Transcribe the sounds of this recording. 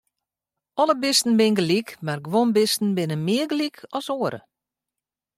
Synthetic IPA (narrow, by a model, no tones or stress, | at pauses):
ɔləbɪstn̩bɪnɡəlikmarɡʋonbɪstn̩bɪnəmɪəɡlikʰɔsoəɾə̰